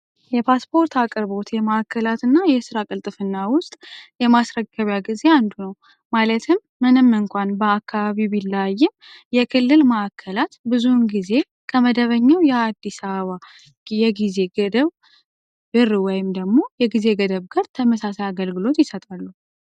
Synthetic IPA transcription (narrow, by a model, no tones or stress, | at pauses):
jɛpʰaspʰo̞ɾt̪ʰakʼɨɾβo̞t̪jɛməakʰːəlat̪ɨnːajɛsɨɾakʼɨlt̪ʼɨfɨnːawʊst̪ʼjɛmasɾəkːəβjaɡize̞and̪unəw | malət̪ʰɨmːɨnɨmːɨŋkʷanbəakːaβaβibilːajːɪm | jɛkʰɨlːɨlməʔakʰːəlat̪bɨzunɡize̞ | kʰəməd̪əβəɲːawjɛad̪ːisəβəβa | jɛɡize̞ɡəd̪əβ | bɨrɨwɔjɪmd̪əɡmo̞jɛɡize̞ɡəd̪əβɡaɾt̪ʰəməsasajaɡəlɡɨlo̞t̪jɪsət̪ʼalːu